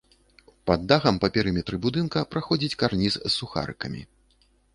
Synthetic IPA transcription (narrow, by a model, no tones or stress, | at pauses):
pad̪ːaɣɐmpɐpʲɛɾɨmʲɛt̪ɾɨbud̪ɨnkɐpɾaxɔd͡zʲit͡sʲkarnʲisːuxa̰ɾɨ̰kɐmʲḭ